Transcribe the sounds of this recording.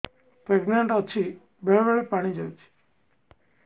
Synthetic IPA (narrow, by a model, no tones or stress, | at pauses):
pɾeɡneɳʈət͡ʃʰi | beɭebeɭepaɽ̃id͡ʒəjt͡ʃʰi̥